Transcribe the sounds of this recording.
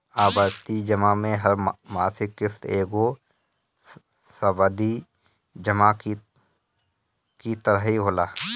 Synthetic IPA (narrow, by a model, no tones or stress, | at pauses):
aːbaːdt̪id͡ʒəmamẽɦəɾmaːsɪkːɪft̪eːɡo | səbad̪i | d͡ʒəmaki | kit̪əɾəɦiɦoːlaː